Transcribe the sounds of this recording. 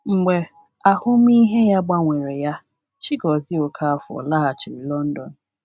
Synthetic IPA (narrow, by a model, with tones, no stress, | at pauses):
ŋ͡m̩˨ɡ͡be˨ | a˨hʊ˦m˦i˦ɦe˦ja˦ɡ͡ba˦ŋʷe˨ɾe˨ja˦ | t͡ʃi˦ɡɔ˨zɪ˦o˨kʰa˦a˨fɔ̰˨la˦ɦa˨t͡ʃɪ˨ɾi˨lɔ˦n̩˦dɔ˨n̩˨